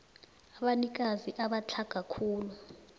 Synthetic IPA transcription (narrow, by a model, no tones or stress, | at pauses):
aɓanik̬aziʔaɓat͡ɬʰaɡ̥ʱakʰuːlu